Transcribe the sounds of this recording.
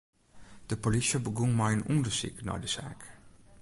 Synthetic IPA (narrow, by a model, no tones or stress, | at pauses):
d̥əpolisjəbəɡunmajənundəsḭknɔ̰jdəsa̰ːk